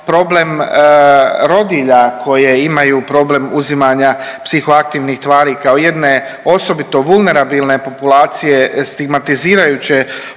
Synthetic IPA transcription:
pɾo̞ːble̞m | ɾo̞d̪iʎakʰo̞jeimajupɾo̞ːble̞muzimaɲapsixoak̚t̪iːʋnixt̪ʋaːɾikaoje̞d̪ne̞o̞so̞bit̪o̞ʋulˠne̞ɾabiːlne̞po̞pulaːt̪sije̞st̪iɡmat̪iziːɾajut͡ɕe

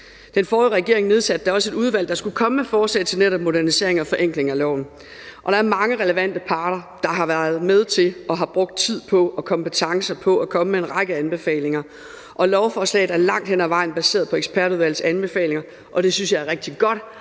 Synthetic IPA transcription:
d̥enfɒːðʁɛɡ̥e̝ɐ̰e̝ŋne̝ð̞ˠsæd̥̚ːɑ̈ɒ̽səe̝duð̞ˠʋæl̰d̥ɑ̈sɡ̥ukʰɒ̽məmefɒːslɛ̰ːɪt͡sʰe̝lneɾɐb̚mo̝ɾæɐnise̝̰ɐ̰e̝ŋɒ̽fɒ̽ʔeŋɡ̥le̝ŋælɒʊn̩ | ʔɒ̽ɾ̥ɑ̈æɐmɑ̈ŋəʁɛləʋæn̰d̥əpʰɑ̈ːɾ̥ɐ | d̥ɑ̈ɦɑ̈ʋæɐð̞̩ˠmeð̞ˠt͡sʰe̝lʔɒ̽ɦɑ̈b̥ʁɔ̽ɡ̥̚d̥̚t͡sʰið̞̰ˠpʰɒ̽ɒ̽kʰɒ̽mpət͡sʰɑ̈ŋsɐpʰɒ̽ʔɒkʰɒ̽məmeenʁɑ̈ɪɡ̥əænb̥e̝fɛ̰ːle̝ŋɐ | ʔɒ̽lɒʊfɒːslɛ̰ɪð̩ˠæɐlɑ̈ŋ̰d̥hen̰æʋɑ̈ɪ̰n̩b̥æse̝̰ːɐðˠpʰɒ̽eɡ̥sb̥ʰæɐɾuð̞ˠʋæl̰ð̩sænb̥e̝fɛ̰ːle̝ŋɐ | ʔɒ̽d̥e̝synsjɑ̈æɐʁɛɡ̥̚d̥iɡ̥ɒ̽d̥

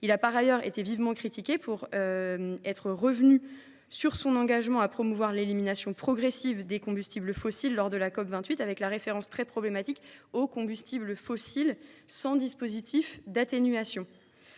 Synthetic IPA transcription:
ilapaʁajœʁet̪evivmɑ̃kχit̪ikʲepʰuʁømɛt̪χəʁəvny | syʁsɔ̃nɑ̃ɡaʒmɑ̃apχɔmuvwaʁleliminasjɔ̃pχɔɡʁesivd̪ekɔ̃byst̪ibləfɔsilːɔʁd̪əlakɔpvɛ̃t̪ɥit̪avɛklaʁefeʁɑ̃st̪χɛpχɔblemat̪ikokɔ̃byst̪ibləfɔsilsɑ̃d̪ispozit̪ʰifd̪at̪enyasjɔ̃

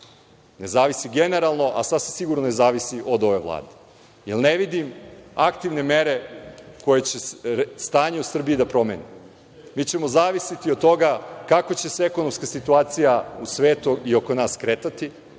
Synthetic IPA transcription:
ne̞zaːʋisiɡene̞ɾalˠno̞ʔa̰sasisiɡuɾnone̞zaːʋisiʔo̞d̪o̞ʋe̞ʋlˠa̰ːd̪e | jḛlˠneʋid̪imakt̪iʋne̞me̞ɾe̞ko̞jet͡ɕest̪aːɲeusr̩biid̪apɾo̞mḛni | miːt͡ɕe̞mo̞zaːʋisit̪io̞d̪̚t̪o̞ɡakako̞t͡ɕe̞seekono̞mskasit̪uaːt̪sijausʋeːt̪uio̞konaːskɾeːt̪at̪i

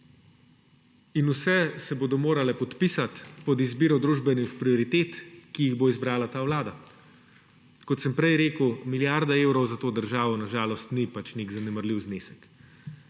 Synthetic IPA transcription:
inusɛsɛboːd̪ɔmoːɾalɛpɔt̪pisat̪pɔd̪izbiːɾɔd̪ɾuːʒbɛnixpɾiɔɾit̪eːt̪kijiɣboizbɾaːlat̪aːwlaːd̪a | kɔt̪sɛmpɾɛjɾeːkəwmiljaɾd̪aeːwɾɔwzat̪oːd̪əɾʒaːʋɔnaʒaːlɔst̪nipat͡ʃniɡzanɛməɾliwzneːsɛk

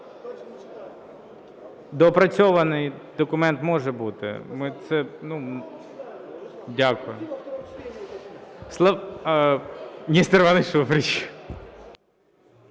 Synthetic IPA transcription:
d̪ɔpɾɐt͡sʲɔʋɐnɪjd̪ɔkʊmɛnt̪mɔʒɛbut̪ɪ̰mɪt̪sɛnu | dʲakʊjʊ | slˠɐ | nʲist̪eɾʋɑnɪjsupɾʲɪt͡ʃ

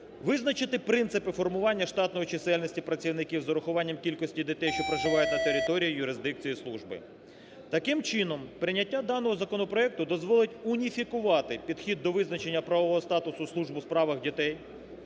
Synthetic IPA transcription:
ʋɪznɐt͡ʃɪt̪ɪpɾɪnsɪpɪfɔrmʊʋɑnʲːɐʃt̪ɑt̪nɔjit͡ʃɪsɛlʲnʲisʲtʲipɾɐt͡sʲiwnɪkʲiwzɔɾɔxʊʋɑnʲːɐmkʲilʲkɔsʲtʲid̪ʲɪt̪ɛjʃt͡ʃɔpɾɐʒɪʋɑjʊtʲnɐt̪eɾʲɪt̪ɔɾʲijijʊɾɪzd̪ɪk̚t͡sʲijislˠuʒbɪ̰ | t̪ɐkɪmt͡ʃɪnɔmpɾɪnʲːɐtʲːad̪ɑnɔɦɔzɐkɔnɔpɾɔɛk̚t̪ʊd̪ɔzʋɔlˠɪtʲʊnʲifʲikʊʋɑt̪ɪpʲid̪xʲid̪ːɔʋɪznɐt͡ʃe̞nʲːɐpɾɐʋɔʋɔɦɔst̪ɑt̪ʊsʊslˠuʒbʊspɾɑʋɐɣdʲit̪ɛj

